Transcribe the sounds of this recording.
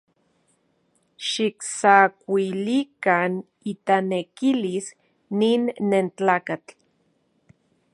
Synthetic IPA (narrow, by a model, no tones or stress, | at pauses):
ʃiksakʷilikan | it̪anekilis | niːnːent͡ɬaːkat͡ɬ